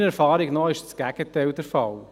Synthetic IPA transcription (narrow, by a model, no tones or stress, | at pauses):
nɛɾfɑːɾɪɡnɔɪʃsɡ̥æɡ̥ətɛɪld̥ɛɾfɑ̰l